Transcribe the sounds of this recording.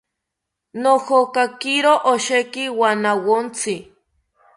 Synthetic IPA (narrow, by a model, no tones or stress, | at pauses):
nohokakiɾoʔoʃekiwanawont͡si